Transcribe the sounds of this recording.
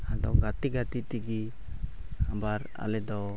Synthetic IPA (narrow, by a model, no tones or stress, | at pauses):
had̪ɔɡat̪iɡat̪it̪iɡi | habaɾa̰lɛd̪ɔ